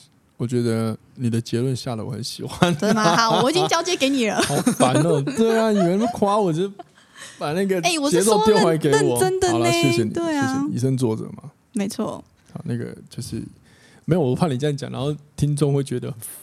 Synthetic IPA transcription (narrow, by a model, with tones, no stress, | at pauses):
wɔ˨˩t͡ɕɥɛ˧˥d̪ə˧ | ni˨˩d̪ə˦t͡ɕjɛ˧˥lwə˥˧nɕja˥˩lə̰˨˩˨xə˨˧˦nɕi˨˩xwa˦n˥˨˥wɔ˨˩t͡ɕi˥t͡ɕjɑ˥ʊt͡ɕjɛ˧˥ke˨˧˥ɪni˨˩lə˦˧a˨˥no˥˧˩t̪we˥˩ɪa˩ni˨˩ɻə˧˦nkʰwa˥wɔ˨˩t͡ɕ | pa˨˩na˥˩ɡə˩e˥˩wɔ˨˩t͡ɕjɛ˧˥t͡so˥˧ʊt̪jɛ˥˧nxwa˥˩ke˧˥ɪ˥wɔ˨˦ə˥nd̪ə˨˦˨la˧˥ɕjɛ˥ɕjɛ˨nḭ˨t̪we˥˩ɪ˥˩ɛ˨˩ḭ˨˩ʂə˥ŋt͡swɔ˥˩ʈ͡ʂə̰˨˩mɐ̰˩ | me˧˥ɪt͡sʰwɔ̰˥˩ | a̰˨˩na˥˩ɡə̰˩t͡ɕjo˥˧ʊʂɻ̩̰˥˩ | me˧˥jo˨˩˥pʰa˥˩li˨˩t͡ɕja˥˧˩t͡ɕj̰ŋɻʔa̰˧˦nxo˥˩ʊt̪ʰi˥ŋt͡sʊ˥ŋxwe˥˩ɪt͡ɕɥɛ˧˥d̪ə˧